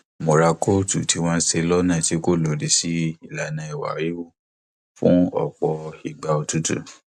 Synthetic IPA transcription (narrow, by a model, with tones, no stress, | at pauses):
mo˨ɾa˧ko˦˨tu˨ti˨˦w̃ɔ̃˦se˧lɔ˦nã˦˨ti˦ko˦˨lo˨ɾi˨si˦i˦˨la˨nã˧i˨wa̰˨˦ɾi˦wu˦˨ | fṵ̃˦ɔ̰˦˨k͡pɔ˧i˨ɡ͡ba˨o˧tu˦tṵ˦˨